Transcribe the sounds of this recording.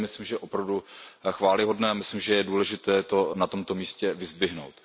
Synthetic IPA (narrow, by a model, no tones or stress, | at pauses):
mɪslɪmʒɛʔopɾavduxvaːlɪɦo̞dnɛːamɪslɪmʒɛjɛduːlɛʒɪt̪ɛːt̪o̞nat̪o̞mt̪o̞miːscɛvɪzd̪vɪɦno̰wt̪